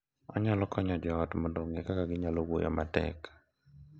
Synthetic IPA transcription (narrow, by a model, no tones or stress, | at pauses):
ɔ̰ɲalɔkɔɲɔd͡ʒɔːtmɔndoŋɡekakaɡɪɲaloɡojɔ̰matɛ̰k